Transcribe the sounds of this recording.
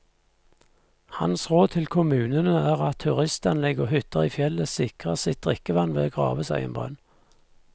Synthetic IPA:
hɑ̰nsʁoːd̪̚t̪ʰɪlkʰʊmʉːnənəæːʁɑt̪ʰːʉʁɪst̪ɑnlɪɡoːhʏt̪əʁiːfjɛləsɪkʁəsɪt̪̚d̪̥ʁɪkəʋɑnʋḛːɡʁɑ̰ːʋəsæɪɛ̰nbʁœ̰n

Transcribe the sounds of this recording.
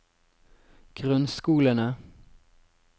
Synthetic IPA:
ɡ̥ɾɵnskuːlənə

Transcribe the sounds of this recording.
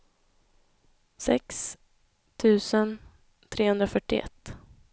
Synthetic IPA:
sɛ̰ks | t̪ʰʉ̟ːsən | t̪ʰɾeːhɵnd̪ɾafœʈːɪʔɛ̰t̪ː

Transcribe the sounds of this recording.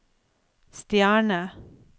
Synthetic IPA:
st̪jæːɳə

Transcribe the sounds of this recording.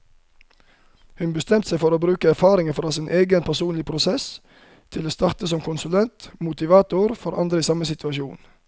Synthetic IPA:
hʉnbəst̪ɛmt̪seɪfɔɾoːbɾʉːkəæɾfɑːɾɪŋəfɾɑːsɪːnʔeːɡənpʰæsuːnlɪpʰɾʊsɛs | t̪ʰɪloːst̪ɑʁt̪əsɔmkʰʊnsʉlɛnt̪mʊt̪ɪʋɑːt̪ʊɾfɔɾʔɑ̰nd̪ɾəiːsɑməsɪt̪ʰʋɑʃṵːn

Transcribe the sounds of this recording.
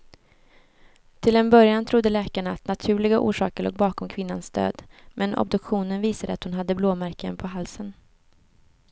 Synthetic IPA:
t̪ʰɪlɛnbœɾjant̪ʰɾʊd̪ːəlɛːkaɳaat̪nat̪ʰʉ̟ːɭɪɡaʔṵːʂɑ̰ːkəɭo̰ːɡ̚bɑːkɔmkʰvɪnːansd̪ø̰ːd̪mʔɛnɔ̰b̚d̪ɵkɧuːnənviːsad̪əat̪hʊnɦad̪ːəbloːmæɾkənpʰɔɦalsən

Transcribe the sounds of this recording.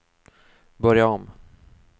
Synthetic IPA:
bœɾjaɔm

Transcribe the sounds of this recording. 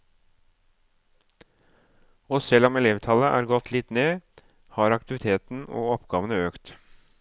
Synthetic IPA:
oːsɛlɔmɛleːʋt̪ʰɑləʔæ̰ːɾɡɔt̪ʰlɪt̪neː | hɑːɾɑk̚t̪ɪʋɪt̪ʰeːt̪n̩o̰ːɔpɡɑːʋənəøːkt̪

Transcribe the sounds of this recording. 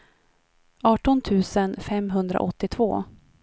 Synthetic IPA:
ɑːʈɔnt̪ʰʉ̟ːsənfɛmɦɵnd̪ɾa̰ʔɔt̪ːɪt̪ʰvo̰ː

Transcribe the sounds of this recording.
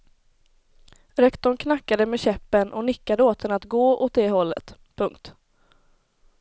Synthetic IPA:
ɾɛkt̪ɔɳkʰnakːad̪əmɛɕɛpːənʔɔnɪkːad̪əoːt̪ʰənat̪ɡoːot̪̚d̪ɛɦɔlːə̰t̪ | pʰɵŋkt̪

